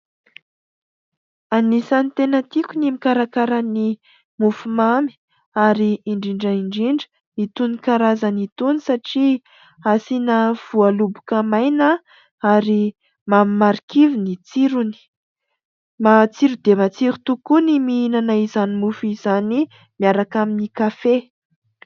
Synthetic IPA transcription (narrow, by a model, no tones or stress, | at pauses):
anisanit̪enət̪ikʲunimikaɾakaɾani | mufumami̥ | aɾiiɳɖ͡ʐiɳɖ͡ʐaiɳɖ͡ʐiɳɖ͡ʐə̥ | it̪unikaɾazanit̪unisaʈ͡ʂi | asinəv̥ualubukamajna | aɾi | mamimaɾikivinit͡siɾuni̥ | mat͡siɾud̪̥emat͡siɾi̥t̪ukuniminanaizanimufizani | miaɾakaminikafe